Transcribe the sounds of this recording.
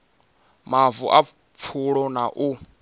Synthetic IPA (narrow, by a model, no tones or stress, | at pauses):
mavṵʔa | p̪fʰuɺɔnaʔu